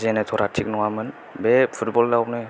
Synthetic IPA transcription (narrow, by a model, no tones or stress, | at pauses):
zenetʰɔɾatʰik̚nɔŋamɯn | bepʰutbɔldaɔp̚nɯ